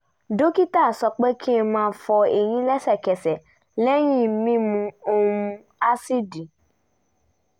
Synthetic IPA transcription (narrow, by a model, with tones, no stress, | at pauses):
do˦ki˦ta˦˨sɔ˧k͡pe˦kʰi˦ɛ˧mãː˦fɔ˧e˨j̃ĩ˧˦lɛ˦sɛ˦˨kɛ˨sɛ˨ | lɛ˦j̃ĩ˦˨˦mĩ˦mũ˧o˧mũ˧ | a˦si˦di˨